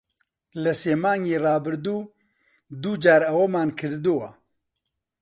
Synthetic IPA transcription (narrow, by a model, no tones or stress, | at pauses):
lɐseːmaːŋɡiːrɑːbɨɾd̪uː | d̪uːd͡ʒaːɾɐwɐmaːnkʰɨɾd̪uwɐ